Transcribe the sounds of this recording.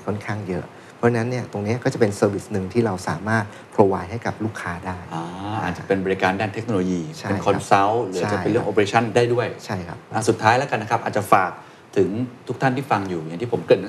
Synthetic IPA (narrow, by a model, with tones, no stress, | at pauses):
kʰɔ˥˩nkʰaː˥˩ŋjɤ˦˥ʔ | pʰɔ˦˥t͡ɕʰa˧na˦˥nːi˥˩ɐt̪o˧ŋni˦˥ɐkɔː˥˩t͡ɕa˨˩pe˧nsɤː˧wi˦˩snɯ˧ŋt̪ʰiː˥˩ɾa˧wsa̰ː˩˦maː˥˩t̪̚ | pʰɾoː˧waː˧jɦa˥˩jka˨˩p̚luː˥˩kʰːaː˦˥daː˥˩jʔaː˧˦ʔaː˨˩t̪̚t͡ɕa˨˩pe˧nbɔː˧ɾi˧˥kaː˧ndaː˥˩nt̪ʰe˦˥k̚noː˧loː˧jiː˧t͡ɕʰa˥e˧njkʰɔ˧nsa˦˥wlɯː˦a˥t͡ɕa˨˩e˧nlɯ˥˩əŋʔoː˧pa˧eː˧˥t͡ɕʰa˥˩ndaː˥˩jdu˥˩əjt͡ɕʰa˥˩jkʰa̰˦˥p̚ʔa˧˩su˨˩t̪ʰːaː˦˥jlɛː˦˥ka˧nːa˦˥kʰp̚ʔaː˨˩t̪̚t͡ɕa˨˩faː˨˩k̚ | t̪ʰɯ˩˦ŋt̪ʰu˦˥k̚t̪ʰa˥˩nt̪ʰiː˥˩fa˧ŋjuː˨˩ja˨˩ŋt̪ʰiː˥˩po˩˦mkɤ˨˩t̪̚n˦˥